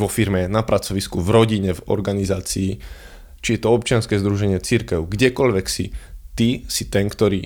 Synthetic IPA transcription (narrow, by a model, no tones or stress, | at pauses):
ʋɔfiɾmɛnapɾat͡sɔʋiskuvɾɔɟiɲɛvɔ̰ɾɡanizaːt͡siː | t͡ʃijɛt̪ɔɔp̚t͡ʃɪanskɛːzd̪ɾuʒɛɲɪɛt͡siɾkɛʊɡɟɛkɔʎʋɛksit̪isit̪ɛnkt̪ɔɾiː